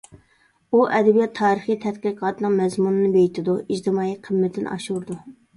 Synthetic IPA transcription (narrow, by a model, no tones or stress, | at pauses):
uʔɛd̪ɛbijɛt̪ʰːɑːɾəχijt̪ʰɛt̪̚qiqʰɑːt̪ʰɨnɨŋmɛzmunɨnɨbejit̪ʰɪd̪uid͡ʒd̪ɨmɑːiqʰəmːɪt̪ʰɪn̰ʔɑʃuɾd̪u